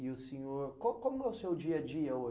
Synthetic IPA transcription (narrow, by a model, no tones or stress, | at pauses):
ɪʊsẽɲoɾkõkõmʊɛʊsewd͡ʒiɐd͡ʒiɐo